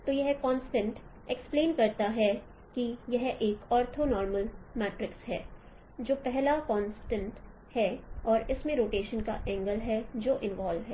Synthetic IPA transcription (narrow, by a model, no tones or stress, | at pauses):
t̪oːjɛɦkɔːnsʈə̃ɳʈ | ekspleːnkɐɾt̪aɦɛ | kijɐɦʔeːkɔːɾt̪ʰonɔːɾməlmɛːʈɾɪksɦɛ̰ː | d͡ʒoːpɛɦlakɔ̃ːnsʈə̃ɳʈ | hɛɔːɾɪsmẽɾoːʈeːʃənkaʔɛ̃ːŋɡəlɦɛd͡ʒoːʔɪ̃nʋaːlʋɦɛː